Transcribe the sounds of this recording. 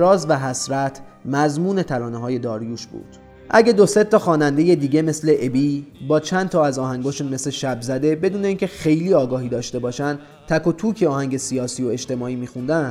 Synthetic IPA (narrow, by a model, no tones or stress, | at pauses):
ɾɒːzvæɦæsɾæt̪ʰ | mæzmuːne̞t̪ʰæɾɒːneɦɒːje̞d̪ɒːɾjuːʃbṵːd̪̥ | ʔæɟe̞d̪o̞se̞t̪ʰːɒːxɒːnænd̪e̞jed̪iːɟe̞me̞sle̞ʔebiːbɒːt͡ʃʰænd̪t̪ʰɒːæzɒːhæŋɡɒːʃuːnme̞sle̞ʃæbzæd̪e̞be̞d̪uːne̞iːŋcʰe̞xe̞jliːɒːɡɒːɦiːd̪ɒːʃt̪e̞bɒːʃænd̪ | t̪ʰækʰot̪ʰuːcʰeɒːhæŋɟe̞siɒːsio̞e̞ʃt̪e̞mɒːiːmiːxund̪ænd̪